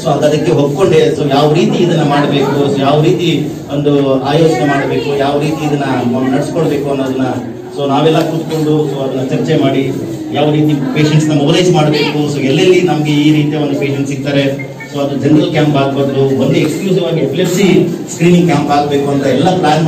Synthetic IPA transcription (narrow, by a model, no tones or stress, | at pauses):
soːɐd̪ɐd̪ɐkːe̞ɦopko̞ɳɖe̞soːjaːʋɾiːt̪iːd̪ɐnːɐmaːɽbe̞ːkusoːjaːʋɾiːt̪i | o̞nd̪uaːjoːt͡ʃnemaːɽbe̞ːkujaːʋɾiːt̪iːd̪ɐnːɐnɐɽiskoɭbeːkuɐnːoːɐd̪ɐnːɐ | soːnaːʋɛlːɐkut̪ko̞ɳɖusoːɐd̪ɐnːɐt͡ʃɐɾt͡ʃemaːɽi | jaːʋɾiːt̪ipe̞ːʃeɳʈsnɐmobleːd͡ʒmaːɽbe̞ːkusoːɛlːɐlːinɐmɐɡeiːɾiːt̪ijɐond̪upeːʃeɳʈsiɡt̪aːɾe̞ | soːɐd̪ud͡ʒeɳɖɾɐlkjaːmpaːɡ̚bɐd̪d̪ubond̪uekskluːsiʋaːɡieplepsiskɾiːniŋɡkʲjaːmpaːɡbeːkuɐnt̪ɐɛlːɐplaːn